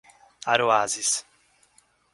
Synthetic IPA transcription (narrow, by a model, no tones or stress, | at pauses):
aɾoazis